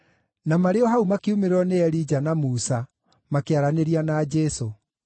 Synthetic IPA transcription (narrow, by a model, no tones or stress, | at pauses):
namaɾeɔɦaumakeumeɾɔneɛɾid͡ʒanamusa | makeaɾaneɾianaːd͡ʒɛso